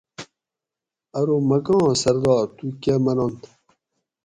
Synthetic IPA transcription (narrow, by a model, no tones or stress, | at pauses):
ɐɾomɐɡɑ̃ːsɐɾd̪ɑːɾt̪ukemɐnont̪